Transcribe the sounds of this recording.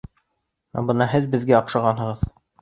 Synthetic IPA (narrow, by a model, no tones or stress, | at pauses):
æ̰bɤnɑɦɘðbɘ̆ðɡæɑqʃɑʁɑnɦɤ̆ʁɤð